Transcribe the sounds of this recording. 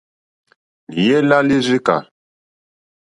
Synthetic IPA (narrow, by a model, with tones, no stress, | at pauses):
je˦la˦li˦zi˦ka̰˨